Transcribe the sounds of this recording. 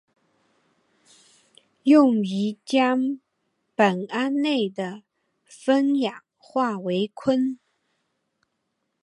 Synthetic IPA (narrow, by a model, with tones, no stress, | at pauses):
jʊ˥˩ŋi˧˥t͡ɕjɑ˥ŋ | pə˨˩na˥nne˥˩ɪd̪ə˩ | fə˥njɑ˨˩ŋ | xwa˥˩we˧˥ɪkʰwə˥n